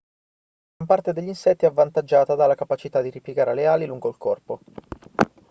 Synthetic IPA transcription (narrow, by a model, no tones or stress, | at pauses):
ɡɾampart̪ed̪eʎːinsɛt̪ːiɛavːant̪ad͡ʒːaːt̪ad̪alakapat͡ʃit̪ad̪ːiɾipjeɡaːɾeleaːliluŋɡoilkɔrpo